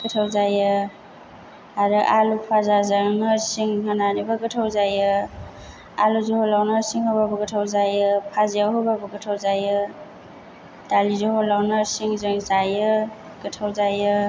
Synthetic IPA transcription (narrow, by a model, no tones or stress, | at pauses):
ɡ̥ɯtʰawzajɯ | aɾɯʔalupʰazazanɯsiŋɦananibaɡɯtʰawzajɯ | aluzehɔlawnɯsiŋhababɯɡɯtʰawzajɯpʰazijawɦɯbabɯɡɯtʰawzajɯ | dalizehɔlawnasiŋzɯŋzajɯ | ɡɯtʰawzajɯ